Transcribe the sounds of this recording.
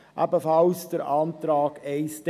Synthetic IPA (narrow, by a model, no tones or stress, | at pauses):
ʔæ̰bəfɑlsd̥əɾʔɑːntɾɑːɡɛɪst